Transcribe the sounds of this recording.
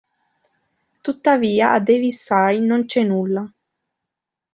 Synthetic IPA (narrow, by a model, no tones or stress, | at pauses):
t̪ut̪ːaviːaʔad̪evisːajnont͡ʃɛnulːa